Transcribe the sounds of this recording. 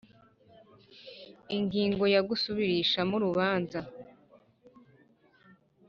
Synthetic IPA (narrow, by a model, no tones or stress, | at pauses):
iŋɡiːŋɡo̞jaɡusuβiɾiʃamuɾuβaːnza